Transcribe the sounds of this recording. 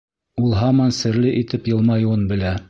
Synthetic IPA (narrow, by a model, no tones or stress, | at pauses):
ulˠɦɑmɑnsɘ̆ɾlɘʔit̪ɘpjɤ̆lˠmɑjuɤnbɘ̆læ